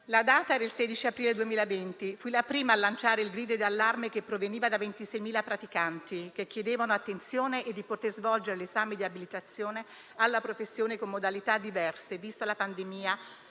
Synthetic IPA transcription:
lad̪aːt̪ad̪elsɛːd̪it͡ʃiapɾiːled̪uemiːlavent̪ifulapɾiːmaːlːant͡ʃaːɾeilɡɾiːd̪od̪ialːarmekepːɾoveniːvad̪avent̪isɛjmiːlapɾat̪ikant̪ikek̟ːjed̪eːvanoat̪ːent̪sjoːneʔːd̪ːipot̪erzvɔld͡ʒeɾelezaːmed̪iabilit̪at̪sːjoːne | alːapɾofesːjoːnekomːod̪alit̪ad̪ːivɛrsevist̪olapand̪emiːa

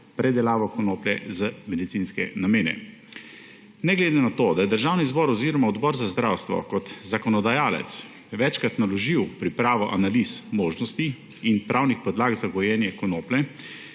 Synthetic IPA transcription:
pɾɛd̪ɛlaːʋɔkɔnoːplɛzəmɛd̪it̪sinskɛ̰nameːnɛ̰ | nɛɡled̪enat̪od̪ajɛd̪əɾʒawnizbɔɾɔziːɾɔmaɔd̪bɔɾzazd̪ɾawst̪ʋɔ̰kɔt̪zakɔnɔd̪ajaːlɛ̰t̪s | ʋɛt͡ʃkɾat̪nalɔʒiwpɾipɾaːʋɔʔanalismoːʒnɔst̪i | inpɾʔaːwnixpɔd̪laːɡzaɡɔjɛːnjɛkɔnoːplɛ

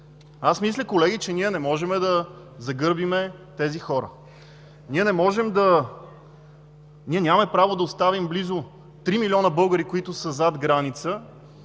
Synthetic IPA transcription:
asmislʲəkolɛɡʲit͡ʃɛniɛnɛmɔʒɛmɛd̪ɐ | zɐɡɤɾbimɛt̪ɛzixɔɾə̰ | niɛnɛmɔʒɛmd̪ɐ | niɛnʲamɛpɾavod̪ɐost̪avimblizʊ | t̪ɾimilʲiɔnəbɤlˠɡəɾikoit̪ʊsəzad̪ɡɾanit̪sə

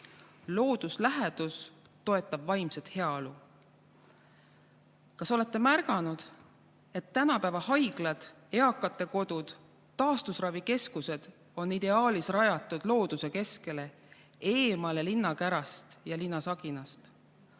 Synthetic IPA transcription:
lo̞ːd̪̥uslæɦed̪̥us | t̪o̞e̞t̪ːˑɑb̥vɑjmset̪he̞ɑolu | kɑso̞le̞t̪ˑːe̞mærɡ̥ɑnud̪̥ | e̞t̪ːænɑpævɑhɑjɡ̥lɑd̪̥ | e̞ɑkːˑɑt̪ːˑe̞ko̞d̪ud̪̥ | t̪ːɑːst̪usrɑvike̞skuse̞d̪̥ | o̞nːid̪e̞ɑːlisrɑjɑt̪ˑːud̪̥lo̞ːd̪̥use̞ke̞ske̞le̞ | e̞ːmɑle̞linːɑkæɾɑst̪jɑlinːɑsɑɡ̥inɑst̪

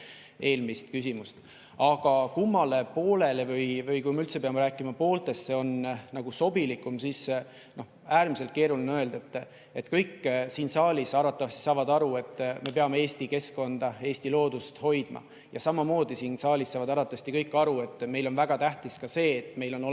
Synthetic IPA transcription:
ʔe̞ːlmist̪kysʲimust̪ | ɑɡ̥ɑkumːɑle̞po̞ːlelevɯjvɯjkujmeylt̪se̞pe̞ɑmeɾæːkːˑimɑpo̞ːlt̪e̞sːe̞o̞nnɑɡ̥uso̞bilikˑumsis | no̞h | æːɾmis̬e̞lt̪̚ke̞ːɾulnø̞eld̪e̞t̪ːˑ | e̞t̪ːˑkɤjkːsiːnsɑːlʲisɑɾɑt̪ːˑɑvɑst̪i̥sɑːvɑd̪ɑɾue̞t̪ːˑme̞pe̞ɑmeeːsʲt̪ike̞sko̞nd̪̥ɑe̞ːsʲt̪ilo̞ːd̪ust̪ho̞jd̪̥mɑ̰ | jɑsɑmɑmo̞ːd̪̥isiːnsɑːlʲisːɑːvɑd̪ɑɾɑt̪ːˑɑvɑst̪ikɤjkːˑɑɾue̞t̪ːˑme̞jlo̞nvæɡ̥ɑt̪æht̪iskɑse̞ːt̪ːˑme̞jlo̞no

